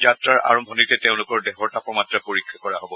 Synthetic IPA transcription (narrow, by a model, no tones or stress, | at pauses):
zatɹaɹa̰ɹɔmbʱɔnitɛteʊ̃lʊkɔɹdɛxɔɹtapɔmatɹapoɹikʰːakɔɹaɦobɔ